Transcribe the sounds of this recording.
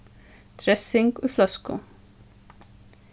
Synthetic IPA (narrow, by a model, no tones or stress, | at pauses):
t̪ʰɾɛsɪŋkuflœskʊ̰